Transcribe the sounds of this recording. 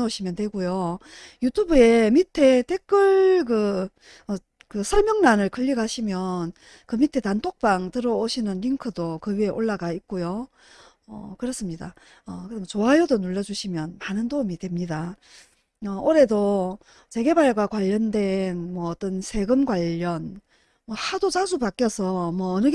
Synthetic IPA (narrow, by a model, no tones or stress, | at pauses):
oɕʰimjʌndwe̞ɡojojutʰubue̞mitʰe̞te̞k͈ɯɭk̬ɯ | ʌ | kɯsʰʌɭmjʌŋnanɯɭkɯʎːiɡaɕʰimjʌn | kɯmitʰe̞tantʰok̚p͈aŋtɯɾʌoɕʰinɯnɾiŋkʰɯdokɯɥieʔoɭːaɡaik̚k͈ojo | ʌ̰kɯɾʌs͈ɯmɲida | ʌkɯdmt͡ɕoɦajʌdonuɭːʌd͡ʑuɕʰimjʌnmanɯndoumidwe̞mɲida | ʌoɾe̞do | t͡ɕe̞ɡe̞baɭɡwakwaʎːʌndwe̞nmwʌːt͈ʌnsʰe̞ɡɯmɡwaʎːʌn | mʌhadot͡ɕad͡ʑubak͈jʌsʰʌmwʌːnɯɡ